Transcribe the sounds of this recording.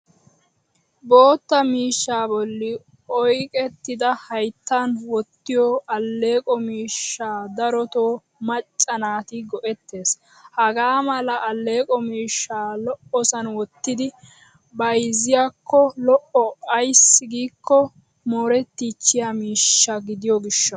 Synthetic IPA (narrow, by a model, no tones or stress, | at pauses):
bo̞ːt̪ːɐmiːʃːaːbɔlːɪ | ɔjkʼɛt̪ːɪd̪ɐhɐjt̪ːanwɔt̪ːɪjɔʔɐlːe̞ːkʼɔmiːʃːaːd̪ɐɾɔt̪oː | mɐt͡ʃʼːɐnaːt̪ɪɡɔʔɛt̪ːe̞ːs | hɐɡaːmɐlɐʔːlːe̞ːkʼɔmiːʃːaːlɔʔɔsɐnwɔt̪ːɪd̪ɪ | bɐjzɪjakːɔlɔʔɔɐjsːɪɡiːkːɔ | moːɾɛt̪ːit͡ʃːɪjamiːʃːɐɡɪd̪ɪjɔɡɪʃːɐ